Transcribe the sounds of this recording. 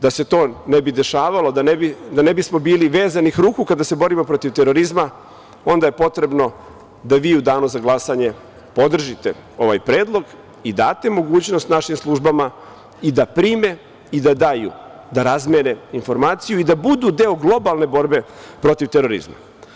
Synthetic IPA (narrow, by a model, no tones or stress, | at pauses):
d̪ase̞t̪o̞ːnebid̪e̞ʃaːʋalo̞d̪anebid̪anebismo̞biːliʋeːzanixɾuːkukad̪ase̞bo̞ɾimo̞pɾo̞t̪iʋt̪eɾo̞ɾizma | o̞nd̪aje̞po̞t̪ɾe̞bno̞ | d̪aʋiːud̪aːnuzaɡlˠasaɲe̞ | po̞d̪r̩ʒit̪e | o̞ʋa̰jpɾe̞ːd̪lˠo̞ɡ | id̪aːt̪e̞mo̞ɡuːt͡ɕno̞st̪naʃimslˠuʒbama | id̪apɾiːme̞ | id̪ad̪ajṵ | d̪aɾazmene̞info̞ɾmaːt̪sijuid̪abud̪ud̪eoɡlˠo̞balˠne̞bo̞ɾbe̞ | pɾo̞t̪iʋt̪eɾo̞ɾḭzma̰